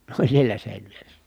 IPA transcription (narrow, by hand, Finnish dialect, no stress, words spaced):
ne olʲ sielæ seˑinʋieres